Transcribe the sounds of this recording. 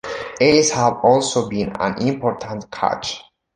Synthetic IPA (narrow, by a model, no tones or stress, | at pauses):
ɛshavɔlˠsobĩnã̰nĩmpʰɔɾt̪ʰãnt̪̚kʰa̰t͡ʃ